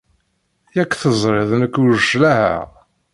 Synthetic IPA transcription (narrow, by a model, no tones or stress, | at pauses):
jækʷːθəzˤɾˤɪðˤnəkːuʒəʃlæhæ̰